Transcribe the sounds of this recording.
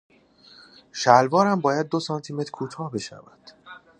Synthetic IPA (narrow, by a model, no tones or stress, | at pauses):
ʃælvɒːɾæmbɒːjæd̪̚ːosɒːnt̪ʰime̞t̪ʰɾkʰuːt̪ʰɒːhbe̞ʃæ̰væd̪̥